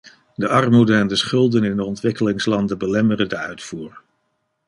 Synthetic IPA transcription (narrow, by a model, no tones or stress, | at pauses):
dəʔɑrmudənɛndəsχɵlˠdənɪndəɔntʋɪkəlɪŋslɑndəbəlɛmərədəœɥtfuːɹ